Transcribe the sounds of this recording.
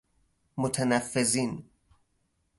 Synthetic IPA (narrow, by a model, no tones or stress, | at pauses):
mot̪ʰænæfːeziːn